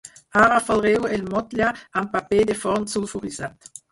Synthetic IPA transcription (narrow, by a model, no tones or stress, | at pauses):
aʁafalʁewelmɔt̪ljaampaped̪efɔʁnsulfuʁizat̪